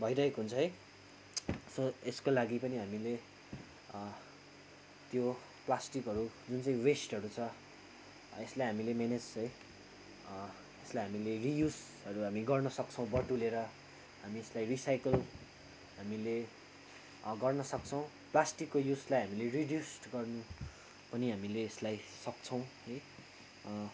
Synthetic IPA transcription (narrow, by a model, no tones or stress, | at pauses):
bʱʌjɾʌekoɦunt͡sʰʌɦʌj | soeskolaɡipʌniɦamile | t̪jo | plasʈikɦʌɾud͡zunt͡saĩwesʈʌɾut͡sʰʌ | eslajɦamilemened͡zt͡sʌ̃j | eslajɦamilerijud͡z | ʌɾuɦamiɡʌrnʌsʌk̚t͡sʰʌ̃w̃bʌʈuleɾʌ | ɦamieslajrisajkʌl | ɦamile | ɡʌrnʌsʌk̚t͡sʰʌw̃ | plasʈikːojuslajɦamileriɖjusʈɡʌrnu | pʌniɦamileːslajsʌk̚t͡sʰʌ̃w̃ʌj